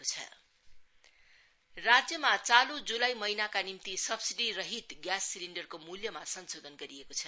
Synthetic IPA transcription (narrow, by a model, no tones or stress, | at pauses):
ot͡sʰʌ̰ | rad͡zjʌmat͡salũd͡zulajmʌinakanimt̪isʌbsiɖirʌɦit̪ɡjasːiliɳɖʌrkomuljʌmasʌnsod̪ʱʌnɡʌɾiekot͡sʰʌ